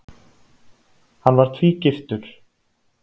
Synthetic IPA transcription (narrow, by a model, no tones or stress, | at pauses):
hanvaɾ̥t̪ʰviːcɪft̪ʏɾ̥